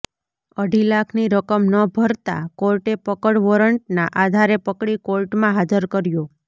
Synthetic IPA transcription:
əɖʱilakʰniɾəkəmnəbʱəɾt̪a̰kolʈepəkəɽʋɔɾəɳʈ̚naʔad̪ʱaɾepəkɽikolʈmãɦad͡ʒəɾkəɾjo

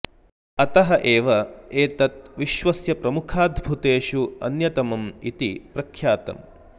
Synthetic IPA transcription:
ɐt̪ɐɦɐʔeːʋɐeːt̪ɐt̪ʋiʃʋɐsjɐpɾɐmukʰaːd̪ʱbʱut̪eːʃuɐ̰njɐt̪ɐmɐmit̪ḭpɾɐkʰjaːt̪ɐ̰m

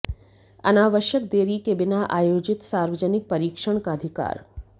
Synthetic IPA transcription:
ɐ̰naːʋəʃjək̚d̪eːɾikebɪnaʔaːjoːd͡ʒɪt̪saːɾʋəd͡ʒənɪk̚pɐɾiːkʂəɳ̃kaɐd̪ʱɪka̰ːɾ

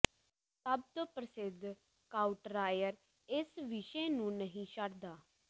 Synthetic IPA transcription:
səb̚t̪opɾəsɪd̪ʱ | kaːuʈɾaːjəɾ | ɪsʋɪʃeːnũːnəɦĩːʃəɽd̪aː

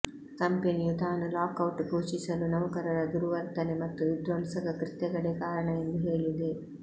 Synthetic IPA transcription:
kɐmpenijut̪aːnulaːkɐwuʈɡuːt͡ʃisɐlunɐʋɐkɐɾɐɾɐd̪uɾuʋɐɾt̪ɐnimɐt̪ːuid̪ɾɐmsɐkɐkɾit̪ːɐɡɐɽeːkaːɾɐɳɐend̪uɦeːɭind̪e

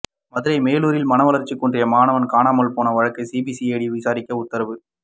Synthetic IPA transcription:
mɐðɯɾɐɪmeːluːɾɪlmɐnɐʋɐlɐɾt͡ʃːikːundrɪjɐmaːnɐʋɐnkaːnaːmɐlpoːnɐʋɐɻɐkːɐɪsiːbisieːɽiʋɪsaːɾɪkʲːɐʊt̪ːɐɾɐʋɯ

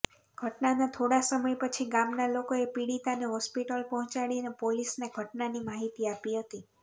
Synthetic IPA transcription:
ɡ̥ʱəʈnanat̪ʰoɽasəməjpət͡ʃʰiɡamnalokoepiɽit̪aneɦɔspiʈəlpɔɦɔ̃t͡ʃaɭinepolisneɡʱəʈnanimaɦit̪iapiɦət̪i

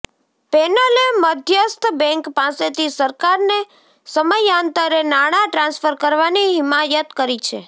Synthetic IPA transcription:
pɛnəleməd̪ʱjəst̪bɛ̃ŋkpãset̪ʰisəɾkaɾne | səməjãnt̪əɾenaɽ̃aʈɾãnsfəɾkəɾʋaniɦɪmajət̪kəɾit͡ʃʰḛ

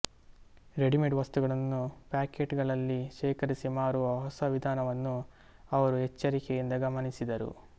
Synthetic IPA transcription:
ɾe̞ɖimeɳʈʋɐst̪uɡɐɭɐnːupaːkeʈɡɐɭɐlːiʃɛːkɐɾisimaːɾuʋɐɦɔsɐʋid̪ʱaːnɐʋɐnːu | ɐʋɐɾuɦɛt͡ʃːɐɾikejind̪ɐɡɐmɐnisid̪ɐɾṵ

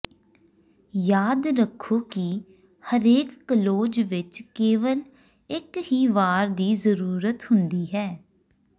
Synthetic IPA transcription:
jaːd̪ɾəkʰːoːki | həɾeːkːəloːd͡ʒʋɪt͡ʃkeːʋəl | ɪkhiːʋaːɾd̪iːzəɾuːɾət̪hʊnd̪iːɦɛː

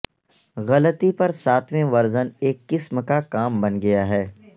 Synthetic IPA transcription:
ɣɐlət̪ipɐɾsaːt̪ʰʋẽʋɐɾzəneːkːɪsmkakaːmbɐnɡɐjaɦɛː

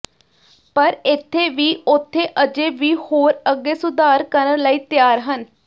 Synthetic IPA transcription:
pəɾɪt̪ʰːeːʋiːʊt̪ʰːeːʔəd͡ʒeːʋiːhoːɾəɡːeːsʊd̪aːɾkəɾəɾləiːt̪jaːɾɦən

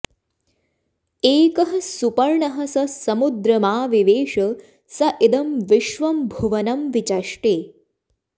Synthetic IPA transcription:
eːkɐɦɐsupɐɾɳɐɦɐsɐsɐmud̪ɾɐmaːʋiʋeːʂɐ | sɐʔid̪ɐmʋiʃʋɐmbʱuʋɐnɐmʋit͡ʃɐʂʈeː

